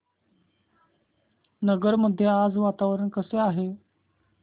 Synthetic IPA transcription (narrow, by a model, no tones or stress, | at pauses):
nəɡəɾməd̪ʱjead͡zʋat̪aʋəɾəɳkəseaɦe